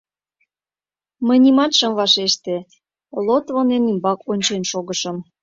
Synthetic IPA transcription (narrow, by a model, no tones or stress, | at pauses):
mə̆jnʲimɑt̪ʃə̆mvɑʃeʃt̪e | lot̪vonenimbɑkonʲt͡ɕenʃoɣəʃə̆m